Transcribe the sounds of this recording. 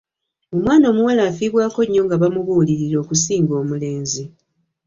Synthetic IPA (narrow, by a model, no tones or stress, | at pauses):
o̞mwaːno̞ːmuwalaːfiːβwaːko̞ɲːo̞ŋɡaβamuβuːliɾiɾo̞ːkusiːŋɡo̞ːmule̞ːnzi